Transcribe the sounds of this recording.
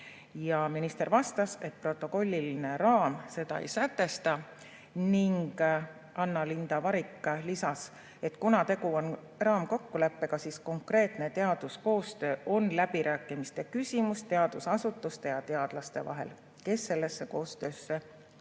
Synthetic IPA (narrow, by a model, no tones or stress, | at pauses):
jɑminist̪eɾvɑst̪ɑse̞t̪̚pro̞t̪ːˑo̞ko̞lʲːiline̞ɾɑːmse̞d̪ɑ̰ḛjsæt̪ːˑe̞st̪ɑ | niŋɡ̥ | ɑnːɑlind̪̥ɑvɑɾikːˑlisɑs | e̞t̪kunɑt̪e̞kuo̞n | rɑːmko̞kːule̞pːe̞kɑsisko̞ŋkre̞ːt̪ne̞t̪e̞ɑd̪̥usko̞ːst̪ø̞ːʔo̞nlæbiɾʔæːkːˑimist̪e̞kysʲimust̪e̞ɑd̪̥usɑsut̪ːˑust̪e̞jɑt̪e̞ɑd̪̥lɑst̪e̞vɑ̰ɦe̞̰l | ke̞sːe̞lːe̞sːe̞ko̞ːst̪ø̞ːsːe